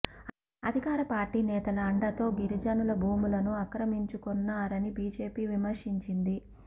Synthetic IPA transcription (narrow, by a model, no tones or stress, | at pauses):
ɐ̰d̪ʱikaːɾɐpaːɾʈiːnɛːt̪ɐlɐːɳɖɐt̪o̞ːɡiɾid͡ʒɐnulɐbʱuːmulɐnuɐkɾɐmiɲt͡ʃukɔnːaːɾɐnibiːd͡ʒe̞ːpiːʋimɐɾʂiɲt͡ʃind̪i